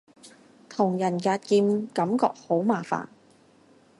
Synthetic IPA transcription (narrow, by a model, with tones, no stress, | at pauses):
t̪ʰʊ˨˩ŋjɐ˨˩njaː˧t̚kiː˧mkɐ˨˥mkɔː˧k̚ho˨˥wmaː˨˩fa̰ː˨n